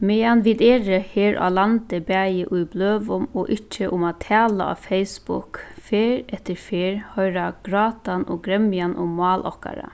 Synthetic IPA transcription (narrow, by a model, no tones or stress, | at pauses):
meɑnʋɪd̪eːɾəheːɾʔa̰lant̪əbæjəʔʉjbløːʋʊmoːʔɪt͡ʃːəʔʊmaːt̪ʰæːla̰ɑ̰ːfeɪsbʊ̰kfeːɾɛt̪əɾfeːɹhœʏɾaɡ̥ɾɑːt̪anoːɡɾɛmjanʔʊmmːɑːlʔɔka̰ɾa̰